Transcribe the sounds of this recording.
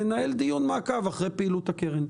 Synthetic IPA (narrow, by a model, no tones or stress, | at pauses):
enae̞ld̪ijunmaːkavaχʁejpeilut̪akeʁen